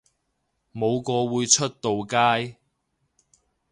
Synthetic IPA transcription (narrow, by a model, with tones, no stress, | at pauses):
mo˨˧wkɔː˧wuː˨˧jt͡ʃʰɵ˥t̚t̪o˨wkaː˥j